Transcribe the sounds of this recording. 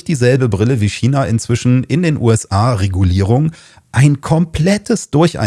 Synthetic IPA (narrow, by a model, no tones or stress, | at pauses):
d̥iːzɛlbəbʁɪləviːʃiːnaʔɪnt͡sv̥ɪʃn̩ɪndeːnʔṵːɛsʔaːʁeɡuliːʁ̞ʊŋ | ʔaɪnkʰɔmpʰl̥ɛtʰəsd̥ʊɐçʔa̰ɪ